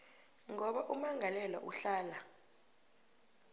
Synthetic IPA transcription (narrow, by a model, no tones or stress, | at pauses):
ŋɔɓaʔumaŋʱalɛla̰ʔuɬaːla